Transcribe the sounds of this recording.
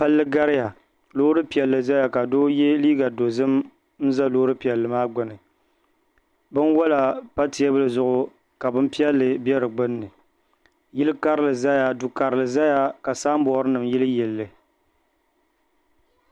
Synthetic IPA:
pa˦lːɨ˦ɡa˦ɾɪ˦ja˨ | lo˦ɾɨ˦pi˨ɛ˨lːɨ˨za˦ja˨ka˨doː˦jɛ˦liː˦ɡa˨do˨zɨ˦m | n̩˦za˦loː˦ɾɨ˦pi˨ɛ˨lːɨ˨maː˦ɡ͡bʊ˨nɨ˨ | bɨ˦nwɔ˦la˨pa˦ti˨˦a˦bɨ˦lɨ˨zʊ˦ʔʊ˦ | ka˨bɨ˦mpi˦ɛ˦lːɨ˨bɛ˦ɾɨ˨ɡ͡bɨ˦nːɨ˨ | jɪ˦lɨ˦ka˦ɾɨ˦lɨ˨za˦ja˨du˨ka˨ɾɨ˨lɨ˨za˦ja˦ka˨saː˦m˦bɔ˨˦ɾɨ˦nɨ˨mjɪ˦lɨ˦jɛ˨lːɨ˨

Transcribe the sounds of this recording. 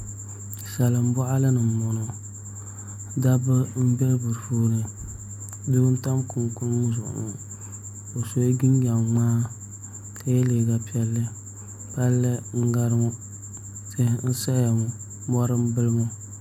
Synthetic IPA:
sa˨lɨ˨m̩˦bɔ˦ʔa˦lɨ˦nɨ˨m˨mɔ˨nɔ˨ | da˦bɨ˦m̩˦bɛ˦lbu˨ɾfuː˦nɨ˨ | du˦ʊ˦n̩˦ta˦mku˨ŋ˨ku˦n˦mu˦zʊ˨ʊ̰˨nu˨ | o˨so˨e˦ɡi˦n˦ja˨maː˦ | ka˦jɛ˦le˨ɡa˨pi˦ɛ˦lːɨ˦ | pa˦lːɨ˦ŋ̩˦ɡa˦ɾŋu˦ | se˦˨n̩˦sa˦ja˨ŋu˨ | mɔ˦ɾɨ˦m˦bɨ˦lmo˦

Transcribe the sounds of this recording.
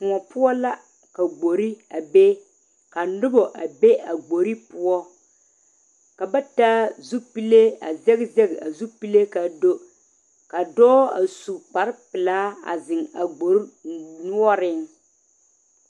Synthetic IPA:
kʊ˨ɔ˨pʊ˦ɔ˦la˦ | ka˨ɡ͡bo˨ɾi˦a˨be˦ | ka˨nʊ˦bɔ˨ʔa˨be˦a˨ɡ͡bo˨ɾi˦pʊ˦ɔ˦ | ka˨ba˦taː˦zu˦pi˦le˦a˨zɛ˦ɣzɛ˦ɡa˨zu˦pi˦le˦ka˨do˦ | ka˨dɔː˦a̰˨su˨k͡pa˨ɾɪ˦pɪ˨laː˦a̰˨zɪ˨ŋa˨ɡ͡bo˨ɾnʊ˦ɔ˦ɾɪ˦ŋ

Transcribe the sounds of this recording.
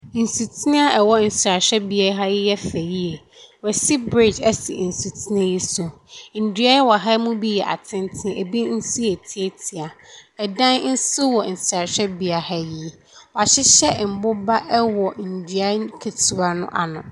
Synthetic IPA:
n̩˨su˨tʰi˦nɪ̃˦a˦ɛ˨wɔ˦n̩˨sa˨ɕᶣɛ˦bi˦a˦ɦa˦jɪ˦jɛ˦fæ˨ji˦e˨ | wɛ˨sɪ˦bɾi˦˨d͡ʒɛ̰˦sɪ̰˨n̩˨su˨tʰi˦nɪ̃˦ji˦so˨ | n̩˨dɥa˦wɔ˨ɦa˦mũ˦bi˦jɛ˨ʔa̰˨tʰɪ̃˦ntʰɪ̃˦e˨bi˦n̩˦si˦e˨tʰi˦e˨tʰi˨a˨ɛ˨dã˦nn̩˦sʊ˦wɔ˨n̩˨sɾa˨ɕᶣɛ˦bi˨a˨ha˦ji˨ | ɔ˨a˨ɕɪ˦ɕɛ˦m̩˨bʊ˦ba˦ʔɛ˦wɔ˨n̩˨dɥa˦kʰe˨tʰu˨a˦nʊ̰̃˦ʔa̰˨nʊ̃˨

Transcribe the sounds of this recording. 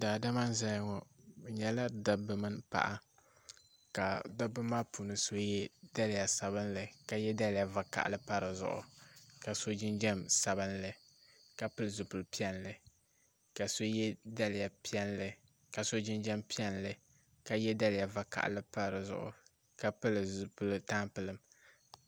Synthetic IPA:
daː˨da˦ma˦n˦za˦jŋɔ˨ɲɛ˦la˦da˦bɨ˦mɨ˦npa̰˨ʔa̰˦ | ka˨da˦bɨ˦maː˦puː˨nɨ˨so˦jɛ˦da˦lja˨sa˨bɨ˦nlɨ˨ka˨jɛ˦da˦lja˨va˨ka̰˨ʔlɨ˦pa˦ɾɨ˨zʊ̰˦ʔʊ̰˨ka˨so˦d͡ʒɪ˦nd͡ʒɛ˦msa˨bɨ˦nlɨ˨ | ka˨pɨ˦lɨ˨zʊ˨pɨ˨lpi˦ɛ˦nlɨ˨ | ka˨so˦jɛ˦da˦lɪ˨ja˨pi˦ɛ˦nlɨ˨ | ka˨so˦d͡ʒɪ˦nd͡ʒɛ˦mpi˦ɛ˦nlɨ˨ | ka˨jɛ˦da˦lɪ˨ja˨va˨ka̰˨ʔlɨ˦pa˦ɾɨ˨zʊ̰˦˨ʔʊ̰˨ | ka˨pɨ˦lɨ˨zu˨pɨ˦lɨ˦ta˦mpɨ˨lɨ˦˨m

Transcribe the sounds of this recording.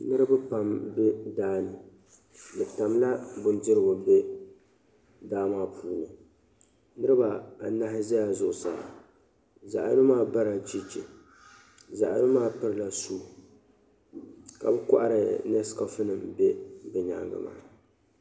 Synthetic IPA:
nɨ˦ɾɨ˦bɨ˦pa˦mbe˦daː˦nɨ˨ | bɛ˨ta˨mla˦bʊ˨ndɪ˦ɾɨ˦bʊ˨be˦ | daː˦maː˦pʰuː˦lɨ˨ | nɨ˦ɾɨ˦ba˨a˨na˦hɪ˦za˦ja˨zʊ˨ʔʊ˨sa̰˨a̰˨ | za˨ʔnɨ˦maː˦ba˦ɾa˨d͡ʒi˦t͡ʃɪ˨ | za˨ʔa̰˨˦nɨ˦maː˦pɨ˦ɾɨ˦la˨suː˦˨ | ka̰˨bɨ˦ka˦ʔa˦ɾɨ˨nɛ˦skɔ˦fɨ˦nɨ˨mbe˦bɛ˨ɲa̰˦ŋɡɨ̰˦ma̰ː˨˦˨

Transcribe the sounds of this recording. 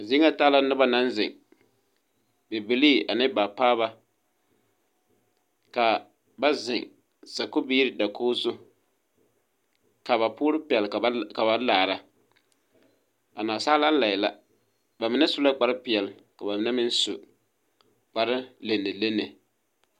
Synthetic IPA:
a˨zi˦ŋa˦taː˦la˦nʊ˦ba˦na˦n˦zɪ˨ŋ | be˨bɪ˨liː˦ʔa˨nɨ˦ba˨paː˦βa˦ | ka˨ | ba˦zɪ˨ŋ | sa˨ko˦bi˦ɾɪ˦da˨kʰoː˦zʊ˦ | ka˨βa˨pʊː˦ɾɨ˦pɪ˨ɛ˨lka˨ba˨laː˨ɾa˦ | a˨naː˨saː˦la˦n˦la˨ɪ˨la˨ | ba˨mɪ˨nɛ˦sʊ˦la˦k͡pa˨ɾɨ˦pɪ˨ɛ˨lka˨ba˨mɪ˨na˦mɪ˦n˦sʊ̰˨ | k͡pa˨ɾɪ˦le˨nːɨ˨le˦nːɨ˨

